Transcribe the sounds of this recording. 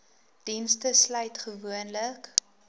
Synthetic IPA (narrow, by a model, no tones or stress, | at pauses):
d̥instəslœɥtχəvuənlək